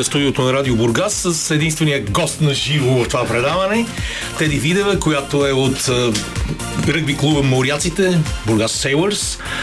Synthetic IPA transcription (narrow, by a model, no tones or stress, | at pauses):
st̪ud̪iot̪onɐɾad̪iobʊɾɡasːəsɛd̪inst̪vɛnijəɡɔst̪nɐʒivovəft̪ovapɾɛd̪avɐnɛ | t̪ɛd̪ivid̪ɛvɛkojat̪oɛot̪ː | ɾɤɡ̚biklˠubəmoɾiat̪sit̪ɛbʊɾɡasːɛjlˠəɾs